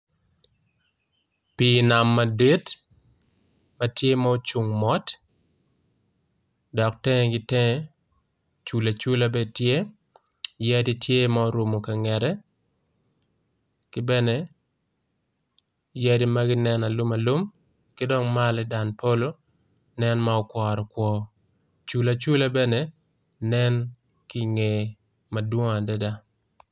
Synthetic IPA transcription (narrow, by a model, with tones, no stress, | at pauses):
pi˨na˨mːa˨di˦t | mɐ˦tje˦ma˦o˦t͡ʃu˨ŋmɔ˦t | dɔ˨k̚tɛ˦ŋ˨ɡɪ˦tɛ˦ŋɛ˦ | t͡ʃu˨la˨t͡ʃu˦la˦be˦tje˦ | jɛ˦di˦tje˦maɔ˦ɾu˨mo˨ka˨ŋɛ˨ɾɛ˦ | kɪ˦bɛ˦nɛ˦ | jɛ˦di˦ma˦ɡɪ˦nɛ˦na˨lu˦ma˨lu˦m | kɪ˦dɔ˦ŋma˦lɛda˨npʰo˦lo˦ | nɛ˦nmaɔkwɔ˨ɾɔ˨kwɔ˦ | t͡ʃu˨la˨t͡ʃu˦la˦bɛ˦ne˨ | nɛ˦n | kɪ˦ŋe˨ | ma˨dwo˦ŋa˨dɛ˦da˦